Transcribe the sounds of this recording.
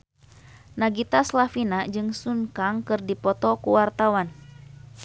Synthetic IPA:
naɡit̪aslafinad͡ʒɨŋsuŋkaŋkɨrdipɔt̪ɔkuwart̪awan

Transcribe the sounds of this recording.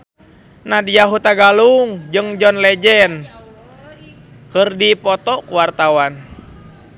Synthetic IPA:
nadijaɦut̪aɡaluŋd͡ʒɨŋd͡ʒɔnlɛd͡ʒɛn | kɨrdipɔt̪ɔkuwart̪awan

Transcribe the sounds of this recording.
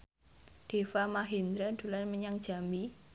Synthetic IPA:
d̥e̤wamaɦind̪ɾad̪̥ṳlanməɲaŋd̥ʒ̥a̤mi

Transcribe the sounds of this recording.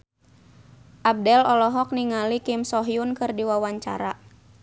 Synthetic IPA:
ʔab̚dɛlɔlɔɦɔk̚niŋalikɪmsɔɦjunkɨrdiwawaɲt͡ʃa̰ɾa

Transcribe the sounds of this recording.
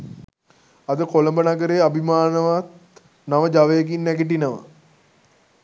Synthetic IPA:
ɐd̪əkoləmbənaɡəɾeabʱimaːnəʋat̪̚ | naʋəd͡ʒaʋejːɡinːæɡiʈ̬inəʋə̰

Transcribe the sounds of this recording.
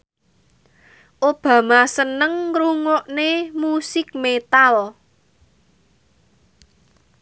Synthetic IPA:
ʔob̥ä̤masənəŋɾuŋɔʔnemusɪk̚met̪al

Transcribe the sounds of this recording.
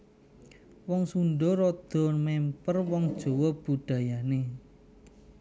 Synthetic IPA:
wɔŋsunɖɔɾɔd̪̥ɔ̤nmɛmpərwɔŋd̥ʒ̥o̤wɔb̥ṳɖ̥ä̤jane

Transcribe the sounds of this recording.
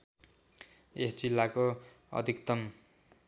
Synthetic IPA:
esd͡zilːako | ʌ̰d̪ʱikt̪ʌm

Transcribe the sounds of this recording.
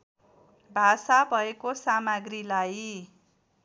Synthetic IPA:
bʱasabʱʌekosamaɡrilaj

